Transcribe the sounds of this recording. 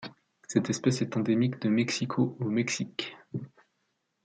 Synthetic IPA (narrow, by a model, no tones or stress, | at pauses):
sɛt̪ɛspɛsɛt̪ɑ̃d̪emikd̪əmɛksikʰoomɛksik